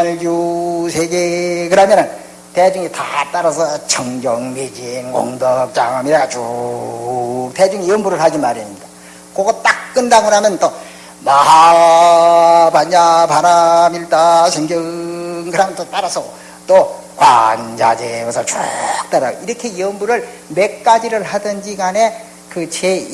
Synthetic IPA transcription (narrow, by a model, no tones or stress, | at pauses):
anɭjusʰeɡeɡɯɾɦamjʌnɯn | ted͡ʑuŋetat͈aɾasʰʌt͡ɕʰʌŋɡjʌŋmed͡ʑinːo̰ŋdʌk̚t͡ɕ͈aŋmiɾaɡat͡ɕu | k̚ted͡ʑuŋiiʌmbuɾɯɭhad͡ʑimaɾimɲida | kʌɡʌt͈ak̚k͈ɯndaɡɯɾɦamjʌnt͈o | maɦa | baɲapaɾamiɭt͈aɕʰeŋɡjʌŋkɯɾɦamjʌnt͈ot͈aɾasʰʌ | t͈o | kwa̰nd͡ʑa̰d͡ʑeɡosʰʌt͡ɕok̚t͈aɾaɡoiɾʌkʰe̞iʌmbuɾɯɭme̞k̚k͈ad͡ʑiɾɯɭhadɯnd͡ʑiɡane̞ | kɯt͡ɕʰe